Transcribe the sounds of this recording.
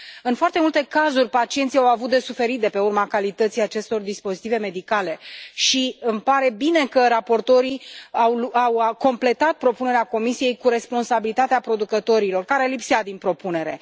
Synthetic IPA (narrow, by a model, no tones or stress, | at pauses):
ɨnfoart̪e̞mult̪e̞kazurʲpat͡ʃient̪sijawavut̪̚d̪e̞sufe̞ɾit̪̚d̪epe̞urmakalit̪ət̪sijat͡ʃe̞st̪o̞rd̪ispo̞zit̪ive̞me̞d̪ikale̞ʃiɨmpaɾe̞bine̞kəɾapo̞rt̪o̞ɾiawlawko̞mple̞t̪at̪̚pɾo̞pune̞ɾeako̞misije̞jkuɾe̞spo̞nsabilit̪at̪eapɾo̞d̪ukət̪o̞ɾilo̞rkaɾe̞lipsiad̪inpɾo̞pune̞ɾe̞̰